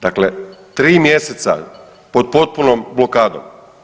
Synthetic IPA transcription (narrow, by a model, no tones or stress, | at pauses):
d̪̥aklet̪ɾiːmjeset̪sa̰ | pod̪̚po̞t̪̚punomblokaːd̪o̰m